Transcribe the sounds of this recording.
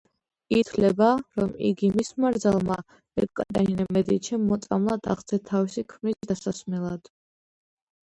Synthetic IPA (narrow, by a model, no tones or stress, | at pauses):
it̪ʰlɛbaɾɔmḭɡimismaɾd̪zalˠma | ɛkʼkʼat̪ʼa̰inɛmɛd̪it͡ʃʰɛːɔt̪sʼamlˠad̪a̰ʁt̪sʰɛt̪ʰavisikʰmnisd̪asasmɛlˠad̪̥